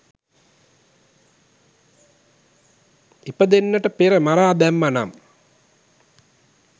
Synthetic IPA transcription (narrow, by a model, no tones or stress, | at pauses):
ipəd̪enːəʈəpeɾəmaɾaːd̪ɛmːana̰m